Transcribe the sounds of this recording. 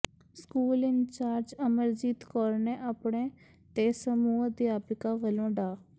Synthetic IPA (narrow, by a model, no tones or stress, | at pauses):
skuːlɪnt͡ʃaːɾd͡ʒəməɾd͡ʒiːt̪kɔːɾneːʔaːpɳeː | t̪eːsəmuːəd̪ɪjaːpɪkaːʋəlõːɖaː